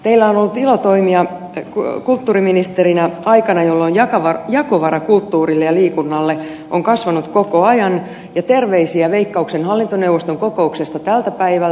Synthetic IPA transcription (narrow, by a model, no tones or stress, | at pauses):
t̪eilːæonolːut̪ilot̪oimiɑ | kkult̪ːuːriminist̪erinæɑikɑnɑjolːojjɑkɑʋɑjɑkoʋɑɾɑkult̪ːuːrilːejɑliːkunːɑlːe | ʔoŋkɑsʋɑnut̪kokoɑjɑn | jɑt̪erʋeisiæʋeikːɑuksenhɑlːint̪onewʋːˑost̪oŋkokouksest̪ɑt̪ælt̪æpæiʋæl